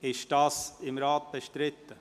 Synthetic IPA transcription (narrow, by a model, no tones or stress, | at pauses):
ɪʃd̥ɑːsɪmɾaːt̪̚b̥ɛʃtɾɪt̪ːə